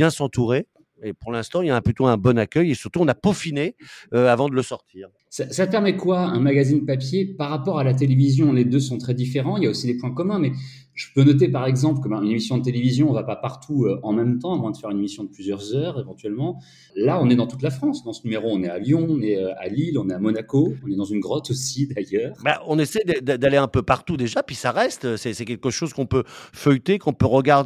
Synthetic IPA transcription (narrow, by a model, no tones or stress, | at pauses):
bjɛ̃sɑ̃t̪uʁe | epuʁlɛ̃st̪ɑ̃ilaɛ̃plyt̪oɛ̃bɔnakʲœjesyʁt̪uɔ̃napofineøavɑ̃d̪ələsɔʁt̪ʰiːʁ | sasapɛʁmɛkwaɛ̃maɡazinəpapjepaʁːapɔʁalat̪̬elevizjɔ̃led̪øsɔ̃t̪χɛd̪ifeʁɑ̃iljaosid̪epwɛ̃kɔmɛ̃mɛ | ʒ̥əpønɔt̪̬epaʁɛɡzɑ̃pləkəbãynemisjɔ̃d̪ət̪̬elevizjɔ̃ɔ̃vapapaʁt̪ʰuøɑ̃mɛmt̪ɑ̃avwɛ̃d̪əfɛʁynemisjɔ̃d̪əplyzjœʁzœːʁevɑ̃t̪ɥɛlmɑ̃ | laɔ̃nɛd̪ɑ̃t̪ut̪lafχɑ̃sd̪ɑ̃sənymeʁoɔ̃nɛaljɔ̃ɔ̃nɛøa̰lilɔ̃nɛamɔnakoɔ̃nɛd̪ɑ̃zynɡʁɔt̪osid̪ajœːʁbaɔ̃nesɛjd̪əd̪d̪aleɛ̃pøpaʁt̪ud̪eʒapɥisaʁɛst̪sɛsɛkʲɛlkəʃozkɔ̃pøfœjt̪ekɔ̃pøʁəɡaʁd̪